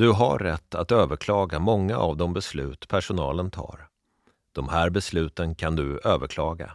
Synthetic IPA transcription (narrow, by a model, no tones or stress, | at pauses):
d̪̥ɵɦa̰ɾːɛt̪ʰːat̪øːvəɾkʰlɑːɡamɔŋːaʔavd̪ɔmbɛslʉ̟̰ːt̪pʰæʂʊnɑ̰ːlənt̪ʰɑ̰ːɾ | d̪̥ɔmhæːɾbɛslʉ̟ːt̪ənkʰand̪ɵøːvəɾkʰlɑːɡa̰